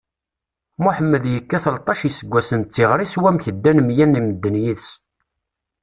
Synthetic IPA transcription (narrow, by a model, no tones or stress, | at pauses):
muħəmːəðjəkːæθəlt̪ˤɑʃisəɡʷːæsənt͡s̪ːiʁɾiswæmçəd̪ːænmjænːiməd̪ːənjiðs